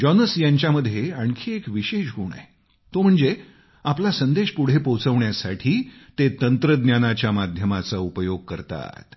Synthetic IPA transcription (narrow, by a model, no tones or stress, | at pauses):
d͡ʑɔnəsjaɲt͡ɕjaməd̪ʱːjeaɳkʰiekʋiɕeɕɡuɳa̰ | t̪om̤əɳd͡ze | aplasənd̪eɕpuɽ̤epot͡səʋɳjasaʈʰiːt̪et̪ənt̪ɾəd̪njanat͡ɕjamad̪ʱjəmat͡saupəjoɡ̚kəɾt̪a̰t̪